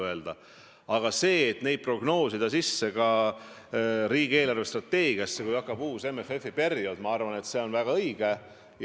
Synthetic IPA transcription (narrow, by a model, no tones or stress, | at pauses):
ɤeld̪̥ɑ | ɑɡ̥ɑse̞ːt̪ne̞jd̪̚pro̞ɡ̥no̞ːsid̪̥ɑsisːe̞ɡɑ | ɾiːɡ̥ie̞ːlɑrvest̪rɑt̪ːe̞ːɡ̥iɑsːe̞kujɑkːɑb̥uːse̞mːefe̞fːipe̞rjo̞d̪mɑɑrvɑnet̪se̞o̞nvæɡ̥ɑɤjɡ̥e